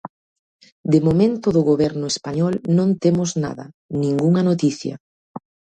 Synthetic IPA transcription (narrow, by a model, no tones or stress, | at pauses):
d̪emomẽnt̪ʊðʊɣoβɛɾnʊespaɲɔlnõnt̪emʊzna̰ðɐ̰ | nĩŋɡuŋɐnot̪iθjɐ̰